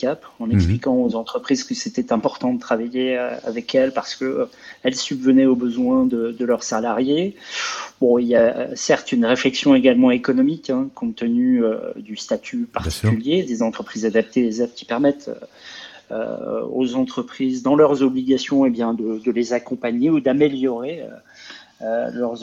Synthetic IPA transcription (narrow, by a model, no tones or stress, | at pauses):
kapɑ̃nɛksplikɑ̃ozɑ̃t̪χəpχizkəset̪ɛt̪ɛ̃pɔʁt̪ɑ̃d̪ət̪χavajeøa̰vɛkɛlpaʁsə̥kəɛlsybvənɛobəzwɛ̃d̪əd̪əlœʁsalaʁje | bɔ̃ilja̰sɛʁt̪ynʁeflɛksjɔ̃eɡalmɑ̃ekɔnɔmikɛ̃kɔ̃t̪ənyø̰d̪yst̪at̪ʰypaʁt̪i̥kkyljed̪ezɑ̃t̪χəpχizad̪ap̚t̪elezɛd̪kʲi̥pɛʁmɛt̪ʰ | ø̰o̰zɑ̃t̪χəpχizd̪ɑ̃lœʁzɔbliɡasjɔ̃ebjɛ̃d̪əd̪əlezakɔ̃paɲeud̪ameljɔʁeø̰ | ølœʁ